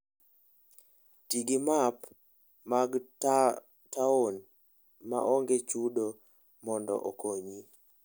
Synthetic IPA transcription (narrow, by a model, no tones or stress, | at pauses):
tiɡimap | maɡ | taon | ma̰ʔɔŋɡet͡ʃudo | mɔndɔ̰ʔokoɲi